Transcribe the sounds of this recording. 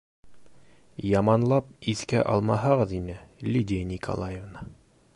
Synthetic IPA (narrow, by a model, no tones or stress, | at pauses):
jɑmɑnlˠɑpiθkæ̰ʔɑ̰lˠmɑɦɑʁɤðinɘlʲidʲɪjnʲikʰo̰lˠajevnə